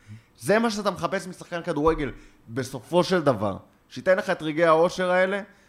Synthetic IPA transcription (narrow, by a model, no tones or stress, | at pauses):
ze̞maʃeat̪ameχape̞smisaχkankad̪uʁeɡe̞l | be̞so̞fo̞ʃe̞ld̪ava̰ʁ | ʃeit̪ejnleχae̞t̪ʁiɡe̞jhao̞ʃe̞ʁae̞le̞